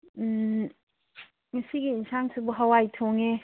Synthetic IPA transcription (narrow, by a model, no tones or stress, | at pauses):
ŋasiɡiːnsʰaŋsubuɦawajtʰoŋe